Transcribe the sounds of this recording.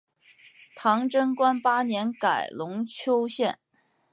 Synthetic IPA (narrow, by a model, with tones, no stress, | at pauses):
t̪ʰɑ˧˥ŋʈ͡ʂɤ˥ŋkwa˥npa˥njɛ˧˥nka˨˩ɪlʊ˧˥ŋt͡ɕʰjo˥ʊɕjɛ˥˩n